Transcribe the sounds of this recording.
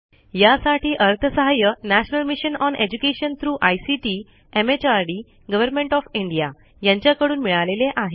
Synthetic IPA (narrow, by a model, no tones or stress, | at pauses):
jasaʈiːʔəɾt̪ʰəsəɦajənæɕnəlmiɕənɔned͡ʑukeɕənt̪ʰɾuːʔajsiʈi | emet͡ɕaɾɖiː | ɡəʋəɾmẽɳʈɔfiɳɖija | jãɲt͡ɕjakəɽuːnmiɭaleleʔaɦe